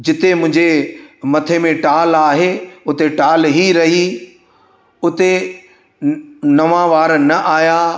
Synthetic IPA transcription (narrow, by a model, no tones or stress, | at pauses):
d͡ʑɪt̪emʊ̃ɦɪ̃ɲd͡ʑemɐt̪ʰemẽʈaːlaːɦeʊt̪eʈaːlɦiɾɐɦi | ʊt̪e | nɐʋãʋaːɾnɐʔaːja